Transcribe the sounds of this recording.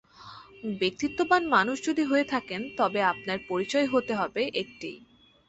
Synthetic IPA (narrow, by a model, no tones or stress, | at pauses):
bek̚t̪it̪ːobanmanuʃd͡ʑod̪ʱiɦoet̪ʰakent̪ɔbeap̚naɾpoɾit͡ɕɔeɦot̪eɦɔbeʔek̚ʈij